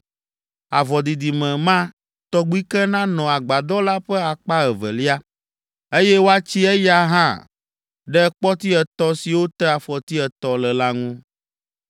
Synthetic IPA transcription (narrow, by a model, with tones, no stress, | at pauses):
a̰˨vɔ˨d̪i˨d̪i˨mɛ̃˨mã˦ | t̪ɔ˦ɡ͡bi˦kɛ˦nã˦nɔ̃˨a˨ɡ͡ba˨d̪ɔ˦la˦ɸɛ˦a˨k͡pa˦ɛ˨vɛ̰˨li˦a˦ | e˦jɛ˦wo˦a˦t͡ɕi˦ɛ˦ja˦ɦã̰˦ | ɖɛ˦k͡pɔ˦t̪i˦ɛ˨t̪ɔ˦si˨wo˦t̪ɛ˦a˨fɔ˨t̪i˦ɛ˨t̪ɔ˨lɛ˨la˦ŋũ˦